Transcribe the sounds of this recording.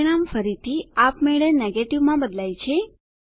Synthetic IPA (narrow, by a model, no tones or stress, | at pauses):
iɳ̃amfəɾit̪ʰiapmeɭəneɡeʈiʋmãbəd̪lajt͡ʃʰe